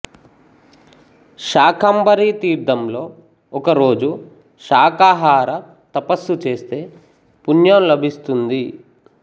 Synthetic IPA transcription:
ʃaːkʰɐmbɐɾiːt̪iːɾd̪ɐmlo̞ː | ɔkɐɾo̞ːd͡ʒu | ʃaːkaːɦaːɾɐ | t̪ɐpɐsːut͡ʃe̞ːst̪e̞ː | punjɐːmlɐbʱist̪und̪i

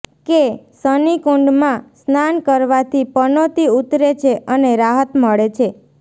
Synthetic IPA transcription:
kesənikuɳɖmãsnankəɾʋat̪ʰipənot̪iut̪ɾet͡ʃʰeʔəneɾaɦət̪məɭet͡ʃʰe

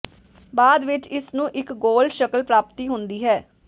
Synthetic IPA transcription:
baːd̪ʋɪt͡ʃɪsnũːʔɪkɡoːlʃəkəlpɾaːpt̪iːɦʊ̃nd̪iːɦɛː

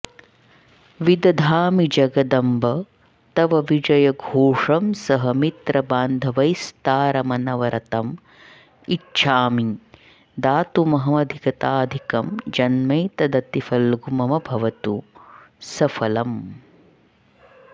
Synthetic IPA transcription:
ʋid̪ɐd̪ʱaːmid͡ʒɐɡɐd̪ɐmbɐ | t̪ɐʋɐʋid͡ʒɐjɐɡʱoːʂɐmsɐɦɐmit̪ɾɐbaːnd̪ʱɐʋɐjst̪aːɾɐmɐnɐʋɐɾʔɐt̪ɐm | itːʃʰaːmi | d̪aːt̪umɐɦɐmɐd̪ʱikɐt̪aːd̪ʱikɐmd͡ʒɐnmɐjt̪ɐd̪ɐt̪ifɐlɡumɐmɐbʱɐʋɐt̪u | sɐfʰɐlɐm

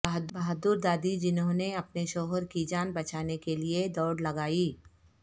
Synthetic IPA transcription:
ɐɦd̪bɐɦd̪ʊɾd̪aːd̪id͡ʒɪnɦõneɐpneʃɔːɦəɾkid͡ʒaːnbɐt͡ʃaːnekelied̪ɔːɽlɐɡaːiː

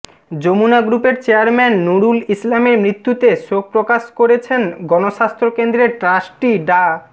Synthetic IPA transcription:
d͡ʑomunaɡɾupeɾt͡ɕeaɾmɛnːuɽulislameɾmɾit̪ːut̪eʃok̚pɾokaʃkoɾet͡ɕʰenɡɔnoʃast̪ɾokend̪ɾeʈɾaʃʈiɖa

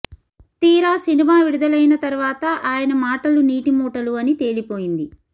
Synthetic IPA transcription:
t̪iːɾaːsinimaːʋiɽud̪ɐlɐjnɐt̪ɐɾuʋaːt̪ɐʔaːjɐnɐmaːʈɐluniːʈimuːʈɐluɐnit̪e̞ːlipo̞ːjind̪i

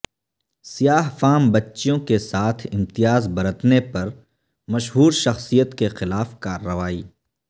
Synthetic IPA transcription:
sijaːɦfaːmbɐtːʃjõkesaːt̪ʰɪ̃mt̪ɪjaːzbɐɾət̪nepɐɾ | mɐʃɦuːɾʃɐxsijət̪kexɪlaːfkaːɾːəʋaːiː

